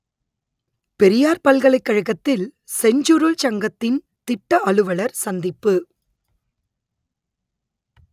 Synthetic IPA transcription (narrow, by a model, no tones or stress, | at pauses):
pɛɾɪjaːɾpɐlɣɐɭɐɪkːɐɻɐɣɐt̪ːɪl | sɛɲd͡ʒuɾult͡ʃɐŋɡɐt̪ːɪn | t̪ɪʈːɐʔɐɭɯʋɐɭɐɾsɐnd̪ɪpːɯ